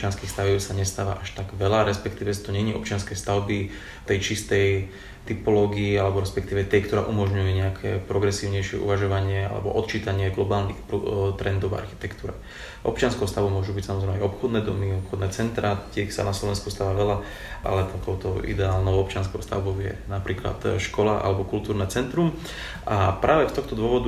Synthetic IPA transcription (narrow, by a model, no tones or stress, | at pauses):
t͡ʃɪanskiːxst̪aʋjiʊsaɲɛst̪aːʋa̰ʔaʃt̪aɡʋɛlaɾɛspɛkt̪iːʋɛt̪ɔɲɛɲiɔpt͡ʃɪanskɛst̪aʊbi | t̪ɛjt͡ʃist̪ɛj | t̪ipɔlɔːɡiːalɛbɔɾɛspɛkt̪iːʋɛt̪ɛjkt̪ɔɾaːʔumɔʒɲujɛɲɛakʰɛ̰ːpɾɔɡɾɛsiːʊɲɛjʃɪɛ̰ʔṵʋaʒɔʋaɲɪɛa̰lɛ̰bɔ̰ʔɔt̪t͡ʃiːt̪aɲɪɛɡlɔbaːlnḭxpɾut̪ɾɛnd̪ɔʊa̰ɾxi̥t̪ɛkt̪uːɾɛ | ʔɔ̰pt͡ʃɪanskɛʊst̪aʋumʊɔʒubicsamɔzɾɛːmɛajɔpxɔd̪nɛːd̪ɔmiɔpxɔd̪nɛːt͡sɛnt̪ɾat̪ɪɛsa̰naslɔʋɛnskust̪aːʋaːʋɛla | ʔa̰lɛt̪akɔʊt̪ɔḭd̪ɛaːlnɔʊɔp̚t͡ʃɪanskɛʊst̪a̰ʊbɔʊjɛ̰napɾiːkla̰t̪ʃkɔlaʔa̰lɛbɔkult̪uːɾnɛːt͡sɛnt̪ɾum | ʔapɾʔaːʋɛft̪ɔxt̪ɔd̪ʊɔʋɔd̪u